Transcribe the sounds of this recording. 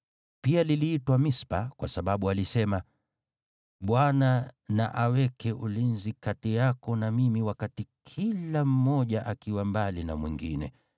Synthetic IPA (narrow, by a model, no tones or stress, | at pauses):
pialiliːtwamispakwasaɓaɓualisɛma | ɓwanana̰ʔawɛkɛʔulinzikatɛjakɔnamimiwakatikʰilam̩mːɔʄaʔakiwambalina̰mwḭŋɡḭnɛ̰